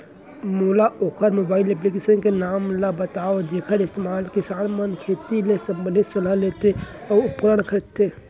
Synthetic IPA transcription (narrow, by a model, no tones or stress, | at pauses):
mulaoːkʰəɾmobaːilep̬likesənkenaːmlabət̪aod͡ʒeːkʰəɾɪst̪emaːlkisaːnmənkʰet̪ilesəmbəlet͡ʃəlalet̪eɔːʊpkɾəɳkʰəɾt̪e